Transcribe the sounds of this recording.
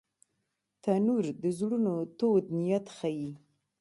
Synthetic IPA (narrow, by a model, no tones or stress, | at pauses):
t̪anuɾd̪əzɽunot̪od̪nijat̪xaji